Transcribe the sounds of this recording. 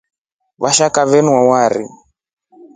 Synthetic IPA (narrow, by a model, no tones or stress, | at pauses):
βaʃakaβɛnwawaɾḭ